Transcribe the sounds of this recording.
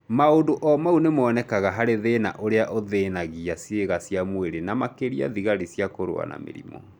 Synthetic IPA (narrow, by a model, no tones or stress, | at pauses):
maondoʔɔmaunemɔnɛkaɣaɦaɾeðena̰ʔoɾeaʔoðeːnaɣiasjeɣasiamweɾenamakeɾia̰ðiɣaɾisjakoɾo̰a̰na̰mḛɾḭmɔ̰